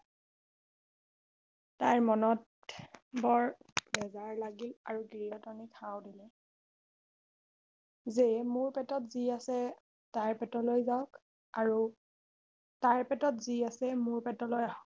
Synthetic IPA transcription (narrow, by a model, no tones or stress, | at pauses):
tajɹmɔnɔt̚ | bɔɹbɛzaɹlaɡilaɹuɡɹiɔtɔnikʰawdilɛ | zemʊɹpɛtɔtziasɛ | tajɹpɛtɔlojzaʊk | aɹu | taɹpɛtɔtziasɛmʊɹpɛtɔlojaɦɔk